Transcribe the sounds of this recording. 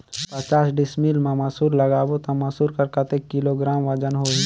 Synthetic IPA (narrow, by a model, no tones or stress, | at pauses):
pət͡ʃaːsɖɪsmilmãmɐsuːɾləɡaːbot̪ɐmɐsuːɾkɐɾkɐt̪ekːɪloɡɾaːmʋɐd͡ʒənɦo